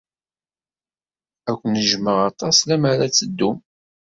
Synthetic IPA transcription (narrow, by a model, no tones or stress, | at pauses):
ækʷːənəʒməʁɑt̪ˤɑslæmaɾat͡sːəd̪ːum